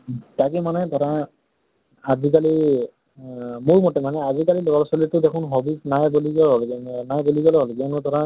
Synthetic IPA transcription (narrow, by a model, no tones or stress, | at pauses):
takɛmanɛdɔɾa | azikali | muɹmɔtɛmanɛazikalilɔɡɔlsɔlitʊdekʰʊnɦɔbisnajboliɡɔlɦɔlɡnajboliɡɔlɔɦɔlɡinɔdɔɾa